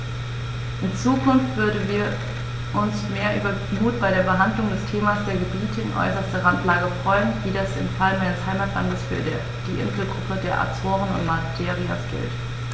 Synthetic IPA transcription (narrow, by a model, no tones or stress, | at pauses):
ʔɪnt͡suːkʰʊnftv̥ʏɐdn̩viːɐ | ʔʊnsmeːɐʔyːbɐ | muːtb̥aɪɾeːɐbəɦandlʊŋdɛstʰeːmasd̥eːɐɡəbiːtʰəɪnʔɔ̰ʏsɐstəʁantlaːɡəfʁ̥ɔʏənviːdasɪnfalənʔaɪnəshaɪmaːtla̰ndəsfyːɐ | d̥iːʔɪ̰ntl̩ɡʁʊpʰədeːɐʔa̰t͡soːʁənʊ̰ntmatʰeːʁia̰sɡ̥ɪ̰lt